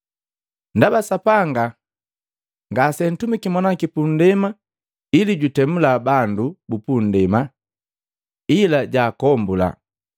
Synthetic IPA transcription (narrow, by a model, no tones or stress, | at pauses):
ndabasapaŋɡa | ŋɡasɛn̩tumikimɔnakipun̩dɛma | iliɟutɛmulaːbandubupun̩dɛma | ilaɟaːkɔmbula̰